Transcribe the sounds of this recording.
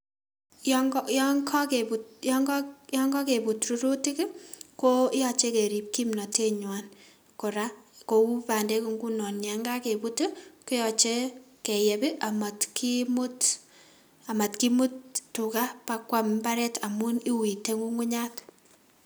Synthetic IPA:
jŋjɔŋkɔ˦ke˨bu˨jɔ˦ŋɡjɔ˦ŋɡɔ˦ke˨bu˨tɾu˦ɾu˦ti˦kko˦i˦jɔ˦˨t͡ʃe˦ke˨ɾi˨p̚ki˦mnɔ˨te˦ɲwa˨n | kʊ˨ɾa˦ko˨wu˦pa˨nde˦ku˨˦ŋɡu˦nɔ˨nja˨˦ŋɡa˦ke˨pu˦tɪ˦ku˦jɔ˨t͡ʃe˦ke˨jɛ˨bi˦ʔa˨ma˨tki˦mʊ˦t | a˨ma˨tki˦mu˦ttu˨ka˦pa˦kwa˦mba˦ɾɛ˦tʰa˨mu˦ni˦wi˨te˦ŋu˦ŋʊ˦ɲa˦t

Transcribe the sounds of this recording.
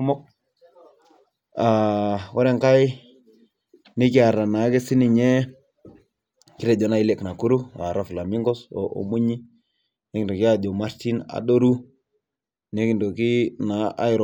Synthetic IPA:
mɔ˦k̚ | a˨wɔ˦ɾɛ˦ŋka˦j | ni˦ki˦a˨ɾa˨na˨˦ke˦si˦ni˨ɲɛ˦ | ki˦ɾɛ˨d͡ʒɔ˨na˨i˦lɛ˨kna˨ku˦ɾu˦a̰˨ɾa˨fla˨mi˦ŋɡɔ˦sɔ˨ʔo̰˨mu˦ɲi˦ | ne˦ki˨dɔ˨ki˦a˦d͡ʒɔ˨ma˦ɾti˦na̰˨ɗo˦ɾu˦ | ne˦ki˨ndo˨ki˦na˨ʔa̰˦i˨ɾ

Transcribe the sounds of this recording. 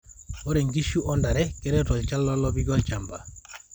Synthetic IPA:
ɔ˦ɾɛ˨ŋɡi˦ʃu˦ʔɔ˦nda˨ɾɛ˦kɛ˦ɾɛ˦tɔ˨lt͡ʃa˦lːɔ˦lɔbi˦ɡɔ˦lt͡ʃa˨mba̰˨

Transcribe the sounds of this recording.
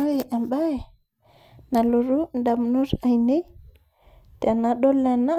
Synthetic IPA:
a˦we˨ʔa˨mba˦e˨ | na˨lo˨ɾu˦nda˨mnu˦ɾa˨jne˦j | te˨na˨ɗo˦lːe˨na˦

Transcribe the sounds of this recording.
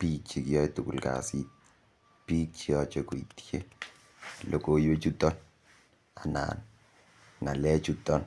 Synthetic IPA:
pi˦t͡ʃi˨kijɔ˦jtu˨kṵ˨lka̰˨sit̪̚ | pi˦t͡ʃiɔt͡ʃe˦ku˨i˨tje˦ | lo˨ko˨je˦t͡ʃu˦tɔ˦n | a˨na̰ː˨n | ŋa˨lɛ˦t͡ʃutɔ˦n

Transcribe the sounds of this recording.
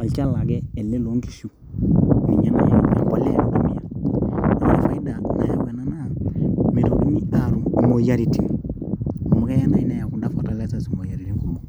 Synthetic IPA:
a˨lt͡ʃa˦la˨ɡe˦e˨lːe˦lo˨˦ŋki̥˨su˦ | mḭ˨ɲa˦na̰˨a̰˨bo˨le˦ɾo˨ɡa˨mi˦a˨na˨n˦e˦˨fa˨i˦da˨na̰˨ja˨be˨na˦na˦mi˨ɾo˨ɾu˦ni˦a˨ɾu˨mo˨ja˦ɾi˨ti˦ŋ | o˨mu˨ke˦ja˦na˦i˦na˦ja˨ku˨nda˦fo˨ta˦le˦sa˦su˨mo˨ja˨ɾi˨ti˦ŋku˨lu˦

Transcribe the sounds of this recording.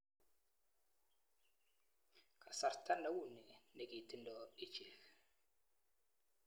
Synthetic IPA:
ka˨sa˨ɾta˦na˨˦wu˦˨ni˨ne˨ki˨ti˦ndɔ˦i˦t͡ʃe˨l

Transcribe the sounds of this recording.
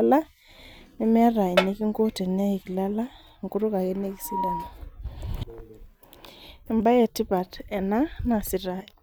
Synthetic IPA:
la˦ | ni˦mɛ˦ɾa˨i˨ni˦ki˦ŋɡo˦te˨ne˦i˨ki˨la˦la˦ | ŋku˦ɾu˦ka˨ke˦ne˦ki˨si˦la˨na˨ | e˨mba˦je˨ti˦pa˨tɛ˨na˦na˨si˨ɾa˦˨i˨

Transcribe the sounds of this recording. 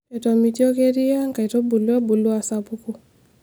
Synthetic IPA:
ɛ˨tɔ˨mi˨ti˦ɔ˦ke˦ɾi˦a˦ŋka˨i˨tɔ˦bu˨lu˦a˦bu˨lu˦a˨sa˨pu˦ku˦

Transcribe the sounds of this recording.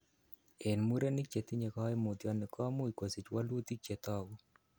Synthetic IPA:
e˨nmu˦ɾe˦nɪ˦kt͡ʃe˨t̪i˦ɲe˨kɔ˦e˦mu˨t̪jɔ˦nɪ˨kʰɔ˦mu˦i˨ko˨si˨t͡ʃwa˦lwo˦t̪i˦t͡ʃe˨t̪ɔ˦ɡɔ˦

